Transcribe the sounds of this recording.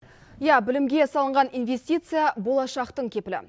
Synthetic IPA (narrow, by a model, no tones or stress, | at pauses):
jabɪlɪmɡʲe̞sɑlˠəɴʁɑninve̞sʲt̪ʲijt̪sɨjabo̞lˠɑʃɑqt̪əɴkʲʰe̞pɪlɪ̰